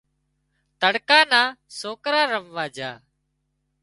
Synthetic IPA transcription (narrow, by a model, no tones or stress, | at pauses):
t̪əɽkãːnãːsoːkɾãːɾəʋʋaːd͡ʒaː